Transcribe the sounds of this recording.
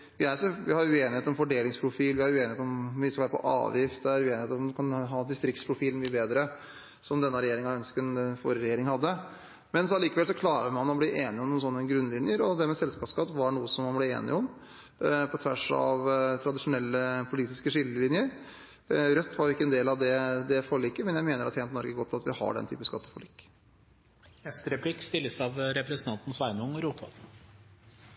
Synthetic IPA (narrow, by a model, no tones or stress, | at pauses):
ʋɪæɾsʋɪhɑɾʉeːnɪheːt̪ɔmfɔɖeːlɪŋspʰɾʊfiːlʋɪhɑɾʉeːnɪheːt̪ɔmʋɪskɑʋæːɾəpʰɔ̰ʔɑ̰ːʋjɪft̪ɛæɾʉeːnɪeːt̪ɔmd̪ɛkɑnɦɑːnd̪ɪst̪ɾɪk̚t̪spʰɾʊfiːlnmyːəbeːd̪ɾə | sɔmd̪ɛnːəɾɛjeːɾɪŋɑœnskənfo̰ːɾəɾɛjeːɾɪŋhɑd̪ːə | mɛnsɑliːkəʋɛlsɔkʰlɑːɾəmɑnɔbliːʔeːnɪɔmnʊnsɔnːəɡɾʉnːlɪnjəɾɔd̪ɛmɛsɛlskɑːpskɑt̪ːʋɑɳuːəsɔmːɑnblɛḛːnɪ̰ɔm | pʰɔt̪ʰʋæʂɑ̰ʋt̪ʰɾɑd̪ɪʂʊnɛlːəpʰʊliːt̪ɪskəʂɪlːəlɪnjəɾ | ɾœt̪ːʋɑɾʋɪkːəɛnd̪eːlɑʋd̪ɛd̪ɛfɔɭiːkːəmɛnjæɪmeːnəɾɑt̪ʰeːnt̪nɔɾɡəɡɔt̪ʰːɑt̪ʋɪhɑ̰ɖɛnt̪ʰy̰ːpəskɑt̪ːəfɔɭḭːkː | ɛst̪əɾɛpʰlɪkst̪ɪlːəsɑʋɾɛpɾɛsənt̪ʰɑnt̪n̩sʋæɪnəʊŋɾuːt̪ʰʋɑ̰